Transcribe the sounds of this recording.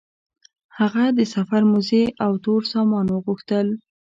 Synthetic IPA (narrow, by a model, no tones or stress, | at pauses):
haɣad̪əsafaɾmʊzeʔawt̪oɾsɑmɑnwəɣuxt̪əl